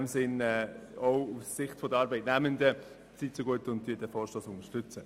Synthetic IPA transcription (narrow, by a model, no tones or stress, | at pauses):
msɪnɛːoʊussɪχtfɔdəɾɑːɾbɛɪtnæməndə | t͡sit͡soɡuətʊntdyːdɛfɔːɾʃtɔːsʊnəɾʃtʏt͡sə